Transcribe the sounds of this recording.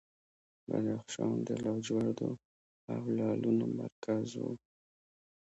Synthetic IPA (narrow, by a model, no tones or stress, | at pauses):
bad̪ɑxʃɑnd̪əlɑd͡ʒwaɾd̪o | awlɑlʔunomaɾkʰazwo